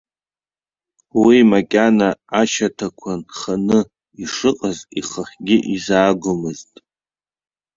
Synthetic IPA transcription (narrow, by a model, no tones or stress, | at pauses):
wimakʲʼanaaʃatʰakʷʰanχanɨ | iʂɨqʼaziχəχʲɡʲɪʔizaːɡʷʊmɨztʼ